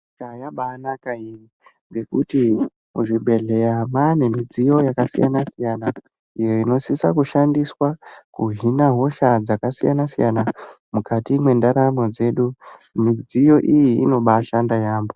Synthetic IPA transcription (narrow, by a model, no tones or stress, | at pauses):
kajaɓaːnakairi | ŋɡe̞kuti | muʐibʱe̞ɮe̞jamane̞mid͡zijo̞jakasija̰nasijana | ijo̞ino̞sisakuʃandiswakuɦinaɦo̞ʃad͡zakasija̰nasḭjana | mukatimwe̞ndaɾamo̞d͡ze̞ɗu | mid͡zijo̞ʔijiːno̞ɓaʃandajaːmbo̞